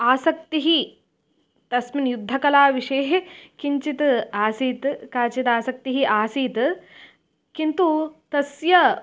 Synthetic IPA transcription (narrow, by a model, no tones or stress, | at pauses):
aːsɐk̚t̪iɦi | t̪ɐsminjud̪ʱːɐkɐlaːʋiʂɐjɦkiɲt͡ʃit̪aːsiːt̪kaːt͡ʃit̪aːsɐk̚t̪iɦiʔaːsiːt̪ | kint̪ut̪ɐsjɐ